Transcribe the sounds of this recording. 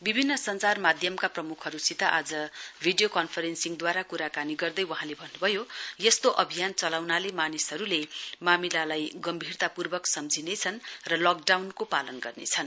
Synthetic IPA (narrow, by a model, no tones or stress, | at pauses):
bibʱinːʌsʌnt͡sarmad̪ʱjʌmkaprʌmukʰʌɾusit̪aʔad͡zʌbʱiɖijokʌnpʰʌɾensiŋd̪waɾakuɾakaniɡʌrd̪ʌjwʌɦãlebʱʌnːubʱʌjojʌst̪oʔʌbʱijant͡sʌlawnalemanisɦʌɾulemamilalajɡʌmbʱirt̪apurbʌksʌmd͡zʱinet͡sʰʌnrʌlʌk̚ɖawnkopalʌnɡʌrnḛt͡sʰʌn